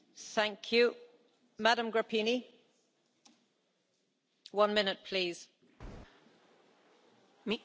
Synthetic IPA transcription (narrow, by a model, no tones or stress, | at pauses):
θæ̃ŋkʰjʉ | maɾə̃mɡɹəpʰini | wʌ̃nmɪnɪt̚pʰl̥iːz̥ | m